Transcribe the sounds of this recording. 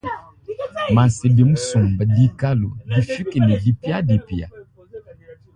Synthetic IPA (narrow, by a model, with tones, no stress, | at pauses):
ma˨n˨se˨bi˨m̩˦su˨mba˨di˦ka˦lu˨di˨fi˦ki˨ni˨di˦pja˦di˨pi˨a̰˨